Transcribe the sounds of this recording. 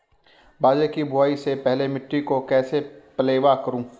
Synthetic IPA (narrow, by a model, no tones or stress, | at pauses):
baːd͡ʒekibʊaːisepɛɦlemɪʈːɾikokɛːsepɐleːʋakɐɾũː